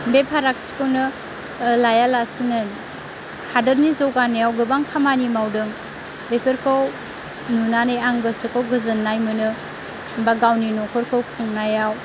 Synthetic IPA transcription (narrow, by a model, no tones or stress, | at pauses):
bepʰaɾak̚si̥kɯwnɯ | lajalasinɯ | hadɐɾnizawɡanɯjawɡɯbaŋkʰamanimawdɯŋ | bepʰeɾkʰaw | nunanɯjaŋbɯsɯkʰawɡɯzɯnːajmɯnɯ | baɡawninokʰɔɾkʰawkʰuŋnajaw